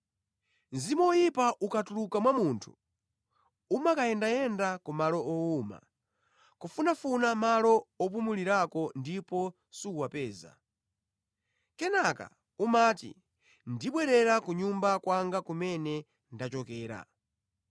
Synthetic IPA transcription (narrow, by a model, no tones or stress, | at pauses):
nzimɔjipaʔukatulukamwamuntʰu̥ | umakajɛndajɛndakumalɔʔɔuma̰ | kɔfunafunamalɔɔp̬umuliɾakɔndipɔ | siuwapɛːza̰ | kɛnaka̰ | umaːtḭ | ndiɓwɛɾɛɾakuɲumbakwaŋɡakumɛnɛ | ndat͡ʃɔkɛːɾa̰